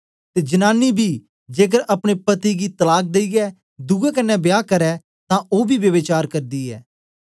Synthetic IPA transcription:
t̪eːd͡ʒɐnaːnːibʱiː | d͡ʒeːk̬əɾɐpɽ̃epɐt̪iɡit̪ɐlaːk̚d̪eiɡɛ | d̪uɡɛkənːɛbjaːkɐɾɛ | t̪ãoːbʱiʋjɐʋɪt͡ʃaːɾkɐɾd̪iɛ̰ː

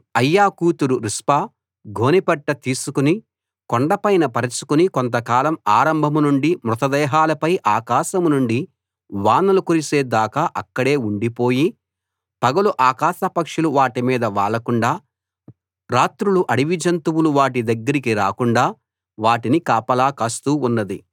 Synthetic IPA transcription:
ɐjːaːkuːt̪uɾuɾispaː | ɡʱo̞ːnipɛʈːɐt̪iːsukuni | koɳɖɐpɐjnɐpɐɾɐt͡ʃu̥kunikont̪ɐkaːlɐmaːɾɐmbʱɐmunuɳɖimɾut̪ɐd̪ɛːɦaːlɐpɐjʔaːkaːʃɐmnuɳɖi | ʋaːnɐlukuɾiseːd̪aːkɐʔɐkːɐɽe̞ːuɳɖipo̞ːji | pɐɡɐluʔaːkaːʃɐpɐkʂuluʋaːʈimiːd̪ɐʋaːlɐkuɳɖaː | ɾaːt̪ɾuluʔɐɽiʋid͡ʒɐnt̪uwuluʋaːʈid̪ɐɡːɐɾikiɾa̰ːkuɳɖaː | ʋaːʈinikaːpɐlaːkaːst̪uːunːɐd̪i

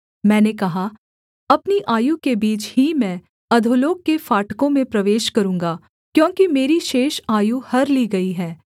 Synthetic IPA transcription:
mɛ̃ːnekɐɦa | ɐpniʔaːjukebiːt͡ʃɦimɛ̃ː | ɐd̪ʱoloːkːefaːʈkõmẽpɾɐʋeːʃkɐɾũːŋɡaː | kjõːkimeːɾiʃeːʃaːjuhɐɾliɡɐiɦɛː

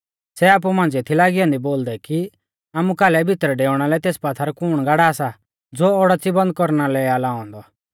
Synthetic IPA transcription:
sɛaːp̬umãːnd͡zet̪ʰilaːɡɪjɔ̃ːnd̪iboːld̪ɛki | aːmukaːlɛbʱɪt̪ɾɖeːʊɽ̃alɛt̪eːspat̪ʰaɾɔkuɽ̃ɡaːɽaːsa | d͡zoːɔɽat͡sibɐ̃nd̪̚kɔɾnalɛalaːɔ̃ːnd̪ɔ

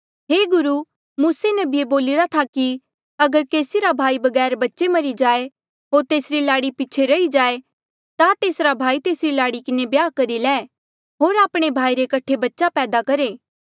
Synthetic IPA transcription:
ɦeːɡʊɾu | muːsenɐbieboːlɪɾat̪ʰaki | ɐɡəɾkeːsiɾabʱaːibɐɡɛːɾbɐtːʃemɐɾid͡ʒaːe | ɦoːɾt̪eːsɾilaːɽipɪːt͡ʃʰeɾɐid͡ʒaːe | t̪at̪eːsɾabʱaːit̪eːsɾilaːɽikɪnebjaːkɐɾilɛː | ɦoːɾaːpɽ̃ebʱaːiɾekɐʈʰebɐtːʃapɛːd̪akɐɾeː

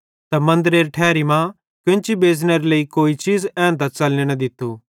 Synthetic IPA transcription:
t̪ɐmɐ̃nd̪əɾeːɾʈʰɛːɾimãː | kɪ̃nt͡ʃibeːzneɾleikoːit͡ʃiːzɛ̃ːnt̪at͡sɐlnenɐd̪ɪt̪ʰːuː

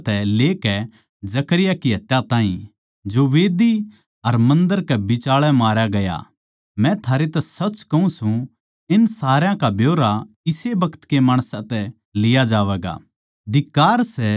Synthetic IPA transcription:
t̪ɛleːkɛ | d͡ʒɐkəɾɪjakiɦɐt̪jãt̪ãːɦĩ | d͡ʒoʋeːd̪i | ɐɾmɐ̃nd̪əɾkɛbɪt͡ʃaːɭɛmaːɾjaɡɐja̰ | mɛ̃t̪ʰaːɾet̪ɛsɐt͡ʃkɐũsũ | ɪnsaːɾjãkabʱjoːɾa | ɪsebɐkʰə̥t̪kemaːɽ̃sãt̪ɛ | lɪjad͡ʒaːʋɛːɡa̰ | d̪ɪkːaːɾsɛ

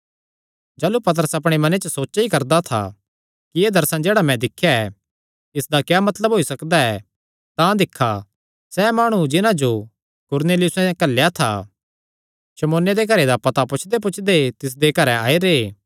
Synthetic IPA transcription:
d͡ʒaːlupɐt̪̬əɾəsɐp̬ɽ̃emɐnet͡ʃəsoːt͡ʃaikɐɾd̪at̪ʰa̰ | kieːd̪ɐɾsãd͡ʒeːɽamɛ̃d̪ɪkʰːjaɛ | ɪsd̪akjɛːmɐt̪ləbɦoːisɐkd̪aɛ | t̪ãd̪ɪkʰːa | sɛːmaːɽ̃ud͡ʒɪnãd͡ʒo | kʊɾneːlɪjʊsɛ̃kɐlːjat̪ʰa̰ | ʃɐmoːnjed̪eɡɐɾed̪apɐt̪apʊt͡ʃʰd̪ep̬ʊt͡ʃʰd̪et̪ɪs̬d̪ekɐɾɛa̰ːiɾe

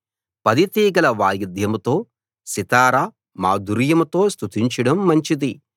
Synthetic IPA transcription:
pɐd̪it̪iːɡɐlɐʋaːjɐd̪ʱjɐmt̪o̞ː | sit̪aːɾaː | maːd̪uɾjɐmt̪o̞ːst̪ʰut̪iɲt͡ʃiɽɐmːɐɲt͡ʃid̪i

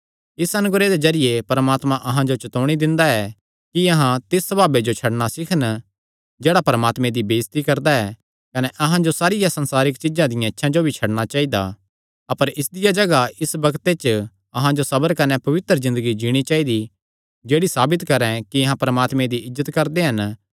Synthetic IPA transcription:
ɪsɐnʊɡɾed̪ezɐɾɪjepɐɾmaːt̪mãʔɐɦãd͡ʒot͡ʃɐt̪oːɽ̃id̪ɪ̃nd̪aɛ | kiɐɦãt̪ɪsːɐbaːbed͡ʒot͡ʃʰɐɽɽ̃asɪkʰən | d͡ʒeːɽapɐɾmaːt̪mẽd̪ibeːst̪ikɐɾd̪aɛ | kɐnɛʔɐɦãd͡ʒosaːɾɪjasɐ̃nsaːɾɪkt͡ʃɪd͡ʒãd̪ɪjãɪtːʃʰãd͡ʒobʱit͡ʃʰɐɽɽ̃at͡ʃaːid̪a̰ | ɐpəɾɪsd̪ɪjad͡ʒɐɡaɪsbɐkt̪et͡ʃ | ɐɦãd͡ʒosɐbəɾkɐnɛpɐʋɪt̪ɾəzɪ̃nd̪əɡid͡ʒiɽ̃it͡ʃaːid̪i | d͡ʒeːɽisaːbɪt̪kɐɾɛ̃kiɐɦãpɐɾəmaːt̪mẽd̪iɪzːət̪kɐɾd̪eɦɐn

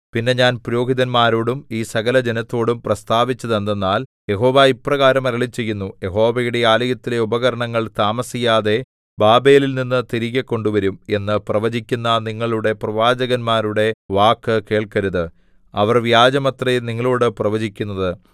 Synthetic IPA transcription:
pinːe̞ɲaːnpuɾo̞ːɦiðɐnmaːɾoːɽumiːsɐɣɐlɐd͡ʑe̞nɐt̪ːo̞ːɽumprɐst̪aːʋit͡ɕːɐðend̪e̞nːaːljeɦo̞ːʋaipːrɐɣaːɾɐmɐɾɐɭit͡ɕːe̞jːunːuje̞ɦo̞ːʋɐjuɽe̞aːlɐjɐt̪ːile̞ubɐɣɐɾɐɳɐŋːɐɭt̪aːmɐsijaːðe̞ | baːbe̞ːlilninːɨt̪iɾiɣɐkːo̞ɳɖuʋɐɾume̞nːɨprɐʋɐd͡ʑikʲːunːɐniŋːɐɭuɽe̞prɐʋaːd͡ʑɐɣɐnmaːɾuɽe̞ʋaːkːɨke̞ːɭkɐɾuðɨ | ɐʋɐrʋjaːd͡ʑɐmɐt̪rɐjiniŋːɐɭoːɽɨprɐʋɐd͡ʑikʲːunːɐðɨ

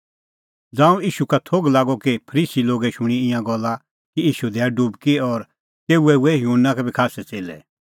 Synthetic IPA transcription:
d͡zãːũiːʃukat̪ʰoɡlaːɡɔkipʰɐɾiːsiloːɡɛʃʊɽ̃iɪ̃jãɡɔlːa | kiiːʃud̪ɛːɖubkiɔɾ | t̪eːuɛuɛɦjunːãkɛbʱikʰaːsɛt͡seːlɛ̰

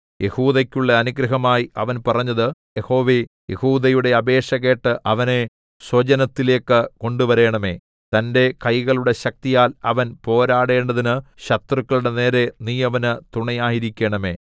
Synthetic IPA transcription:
jehuːðɐkʲːuɭːɐɐnuɡɾɐɦɐmaːjiɐʋɐnpɐrɐɲːɐðɨjeho̞ːʋe | jehuːðɐjuɽe̞ɐbe̞ːʂɐɣe̞ːʈːɨʔɐʋɐne | swɐt͡ɕɐnɐt̪ːile̞ːkːɨko̞ɳɖuʋɐɾe̞ːɳɐme̞ː | t̪ɐnde̞kɐjɣɐɭuɽe̞ɕɐk̚t̪ijaːlɐʋɐnpo̞ːɾaːɽe̞ːɳɖɐðinɨɕɐt̪rukːɐɭuɽene̞ːɾe̞niːjɐʋɐnɨt̪uɳɐjaːjiɾikʲːeːɳɐme̞̰ː

